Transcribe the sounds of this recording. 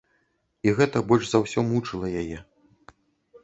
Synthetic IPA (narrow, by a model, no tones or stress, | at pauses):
iɣɛt̪ɐbɔlʲʐzawsʲɔmut͡ʂɨlˠɐjajɛ